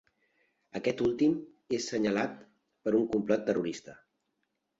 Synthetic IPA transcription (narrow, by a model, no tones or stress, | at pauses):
əkɛt̪ulˠt̪im | esːəɲəlat̪̚ | pəɾuŋkumplɔt̪ːəruɾist̪ə